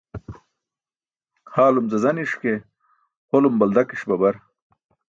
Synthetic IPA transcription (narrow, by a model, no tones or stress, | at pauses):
haːlumzɐzɐniʂke | holumbɐld̪ɐkiɕbɐbɐɾ